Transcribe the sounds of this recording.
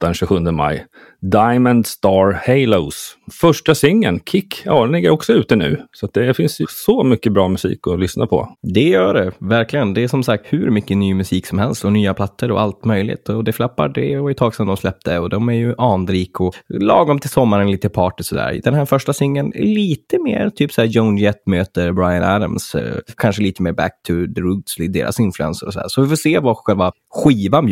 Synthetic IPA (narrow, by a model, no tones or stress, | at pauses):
d̪ɛnɕʉɧɵnd̪əma̰j | d̪ajmənd̪st̪ɑːɾhɛɪləʊsfœʂʈasʏŋːə̰nkʰɪkːjɑ̰ːd̪ɛnlɪɡːəɾɔksɔʉ̟ːt̪ənʉ̟̰ːsɔat̪̚d̪ɛfɪnsjəsɔmʏkːəbɾɑːmɵsḭːkɔlʏsna̰pʰɔ̰d̪ɛjœːɖɛvæɾklɪɡənd̪ɛæʂɔmsak̚t̪hʉɾmʏkːənyːmʉsiːksɔmhɛlst̪ɔnyːapʰlat̪ːəɾɔ̰ʔalt̪mœjlɪ̰t̪ɔd̪ɛflapːa̰ɖɛɔɪt̪ʰɑːɡsɛnd̪ɔmslɛp̚t̪ʰəɔd̪ɔmæɾjɵʔɑːnd̪ɾiːkɔlɑːɡɔmt̪ʰɪlsɔmːaɾənliːt̪əpʰɑːʈɪsɔd̪æ̰ːɾd̪ɛnɦæːɾfœʂʈasɪŋːənɛ̰liːt̪əmḛːɾt̪ʰyːpsæːjɔʊnjɛt̪møːt̪əɾbɾajanæd̪a̰mskʰanʂəliːt̪əmeːɾbæ̰k̚t̪ʰʊd̪əɾʉːd̪sid̪ḛːɾa̰sɪnflʉɛ̰nsəɾɔsɔd̪æ̰ːɾʂɔvɪfoːseːvaɧɛlva | ɧiːvan